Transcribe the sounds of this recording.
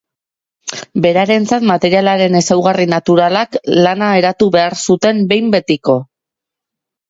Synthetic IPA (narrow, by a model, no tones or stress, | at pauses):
be̞ɾaɾe̞nt͡sat̪mat̪e̞ɾialaɾe̞ne̞sawɣarinat̪uɾalaklanae̞ɾat̪uβe̞aɾsut̪e̞mbe̞jmbe̞t̪iko̞